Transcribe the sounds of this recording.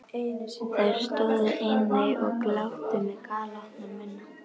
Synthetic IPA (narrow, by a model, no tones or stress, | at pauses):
aɾ̥st̪ɔːwðʏʔejnːɪjɔɣklawht̪ɪmɛðkʰaːlat̪namɪnːa